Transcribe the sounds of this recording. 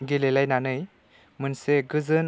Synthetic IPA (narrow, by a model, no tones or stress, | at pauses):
ɡilelajnanɯj | mɯnseɡɯzɯn